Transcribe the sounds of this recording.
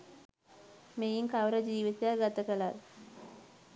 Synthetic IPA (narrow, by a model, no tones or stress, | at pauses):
mejiŋkaʋɾəd͡ʒiːʋit̪ejaɡat̪əkəlaɾ